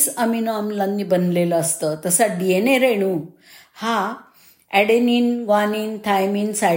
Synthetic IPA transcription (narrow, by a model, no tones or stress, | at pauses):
səminoamlanːibənleləːst̪ət̪əsaɖieneɾeɽ̃u | ha | ɛɽeninɡaniːnt̪ʰajmiːnsa